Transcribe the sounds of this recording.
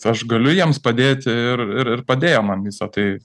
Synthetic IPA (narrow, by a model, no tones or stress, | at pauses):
ɐʃɡɐlʲʊjiɛmspɐd̪ʲeːt̪ʲɪrɪɾɪrpɐd̪ʲeːjoːmɐnʋʲiːsɐt̪ɐɪ